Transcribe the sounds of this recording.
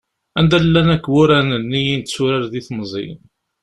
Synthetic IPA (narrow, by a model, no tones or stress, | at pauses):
ænd̪ælːænækːwʊɾænənːijint̪suɾaɾðiθmzˤḭn